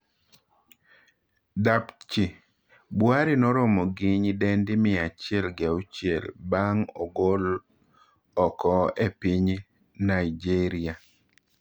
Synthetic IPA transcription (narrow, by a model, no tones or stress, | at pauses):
dapt͡ʃi | bwaɾinɔɾɔmɔɡiɲdɛndɪmɪat͡ʃɪɛlɡaut͡ʃjɛlbaŋɔ̰ɡol | ɔkɔepiɲ | naid͡ʒiɾia